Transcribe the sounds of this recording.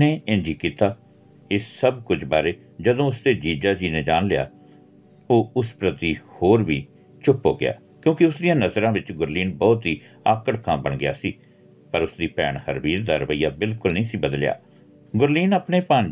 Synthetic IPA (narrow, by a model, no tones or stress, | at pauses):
eːẽːd͡ʒiːkiːt̪aː | ɪsːəbkʊd͡ʒbaːɾeː | d͡ʒəd̪õːʊsd̪eːd͡ʒiːd͡ʒaːd͡ʒiːnẽːd͡ʒaːnlɪja̰ː | oːʊspɾət̪iːhoːɾʋiː | t͡ʃʊpːo̰ːɡɪ̰a̰ː | kjõːkɪʊsd̪ɪjãːnəzɾãːʋɪt͡ʃɡʊɾliːnbɔːt̪ɦiː | aːkəɽkʰãːbəɳɡɪja̰ːsiː | pəɾʊsd̪iːpɛːɳhəɾʋiːɾd̪aːɾəʋəiːaːbɪlkʊlnəĩːsiːbəd̪əlɪja̰ː | ɡʊɾliːnəpɳeːpãːn